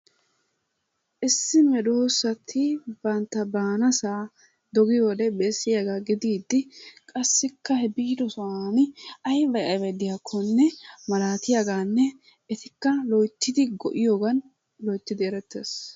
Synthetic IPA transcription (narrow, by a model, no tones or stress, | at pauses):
ʔɪsːɪmɛd̪oːsɐt̪ʰɪbɐnt̪ːɐbaːnɐsaː | d̪ɔɡɪjoːd̪ɛbeːsːɪjaɡaːɡɪd̪iːd̪ːɪkʼɐsːɪkːɐhɛbiːd̪ɔsɔaːnɪɐjbɐjɐjbɛd̪ɪjakʰːɔnːɛmɐlaːt̪ɪjaɡaːnːɛ | ɛt̪ɪkːɐlɔjt̪ːɪd̪ɪɡɔ̰ʔɪjoːɡɐn | lɔjt̪ːɪd̪ɪɛɾɛt̪ːḛːs